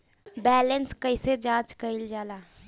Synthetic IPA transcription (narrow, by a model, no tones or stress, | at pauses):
bɛːlənskəised͡ʒãːt͡ʃkəɪld͡ʒaːlaː